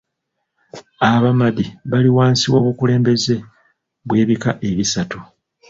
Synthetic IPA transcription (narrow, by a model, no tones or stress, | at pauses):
aβamadiβaliwaːnsiwo̞ːβukule̞ːmbe̞ze̞ | βwe̞ːβikaʔe̞βisatu